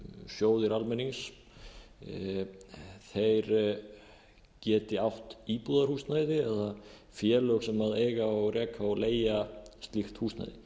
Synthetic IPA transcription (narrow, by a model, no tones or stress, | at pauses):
sjoːwðɪɾalmɛnːiŋs | θejɾ | cɛːt̪ɪawht̪ipuðaɾhuːsnajðɪɛða | fjɛːlœɣsɛmaðejɣaowɣɾɛːkʰaɔɣleːjast̪lixt̪huːsna̰jðɪ